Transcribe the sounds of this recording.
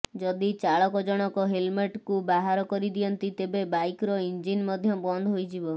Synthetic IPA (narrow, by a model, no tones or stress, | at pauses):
d͡ʒɔd̪it͡ʃaɭɔkɔd͡ʒɔɽ̃ɔkɔɦelmeʈkubaɦaɾɔkɔɾid̪ijɔnt̪it̪ebebajkɾɔind͡ʒinmɔd̪ʱjɔbɔnd̪ʱɔɦojd͡ʒibɔ